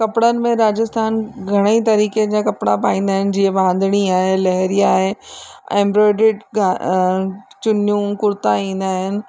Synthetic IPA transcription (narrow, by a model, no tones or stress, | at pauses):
kɐpɪɽənɪ̆mẽɾaːd͡ʑɪst̪ʰaːnɡʱɐɽ̃eit̪ɐɾiːked͡ʑakɐpɽ̃apaːĩːnd̪aːɦɪnɪ̆d͡ʑiːɦẽʋãːn̆d̪ʱɪɽ̃iaːɦelɐɦɾijaːɦḛɛ̃ːmbɾoːɪɖɪʈɡa | t͡ɕʊnjũkʊɾt̪aĩːn̆d̪aːɦɪnɪ̆